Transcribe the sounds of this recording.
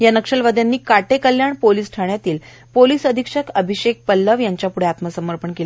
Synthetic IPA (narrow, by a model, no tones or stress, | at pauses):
janəkʂəlʋəd̪ʱjanːiːkaʈekəljaɳpoliːsʈʰaɳjat̪iːl | polisəd̪ʱikʂəkəbʱiɕek̚pəlːəʋjaɲt͡ɕjapuɽ̤eat̪məsəməɾpəɳkela